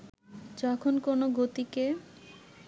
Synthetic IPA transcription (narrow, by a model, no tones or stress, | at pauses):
d͡ʑɔkʰonkonoɡot̪ike